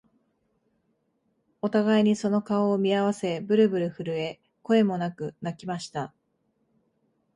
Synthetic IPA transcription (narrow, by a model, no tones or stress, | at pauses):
o̞t̪aɡaiɲ̟iso̞no̞kaoːmʲiaβ̞ase̞bɯ̟ɾɯ̟bɯ̟ɾɯ̟ɸɯ̟ɾɯ̟e̞ | ko̞e̞mo̞nakɯ̟nakʲimaɕi̥t̪a